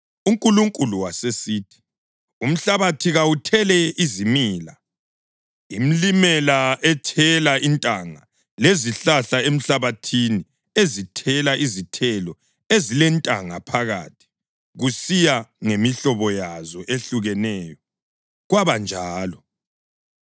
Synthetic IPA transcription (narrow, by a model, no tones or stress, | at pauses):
uŋkʼuluŋkʼuluwasesitʰi̥ | um̩ɬaβatʰiɣawutʰɛlɛizimiːla | imilimɛlaɛtʰɛlaintʼaŋa | leziɬaɬaem̩ɬaβatʰini | ezitʰɛlaʔizitʰɛlɔ | ezilɛntʼa̰ŋapʰaɣa̰ːtʰi̥ | ɣusijaŋemiɬɔβɔjazɔʔeɬuɣɛnɛːjɔ | ɣwaβand͡ʒʱaːlɔ